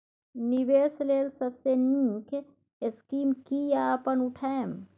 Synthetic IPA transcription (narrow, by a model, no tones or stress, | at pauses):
niweːsleːlsəbsenĩkʰ | ɪskiːmkijapənʊʈʰaem